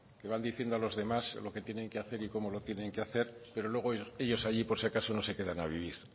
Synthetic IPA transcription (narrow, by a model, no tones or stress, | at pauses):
ke̞βand̪iθje̞nd̪oalo̞zðe̞maslo̞ke̞t̪je̞nẽ̞ŋkeaθe̞ɾiko̞mo̞lo̞t̪je̞nẽ̞ŋkeaθe̞ɾpe̞ɾolwe̞ɣoe̞ʎo̞saʎipo̞ɾsjakaso̞no̞se̞ke̞ðanaβ̞iβ̞iɾ